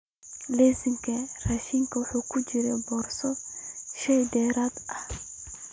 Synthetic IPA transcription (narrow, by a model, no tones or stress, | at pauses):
lɛsɪŋkʰɐraːʃiŋkʰɐwʊħuːkʰʊt͡ʃɪɾɛbɔːrsɔʃɛjdɛːɾaːd̪ʔɐh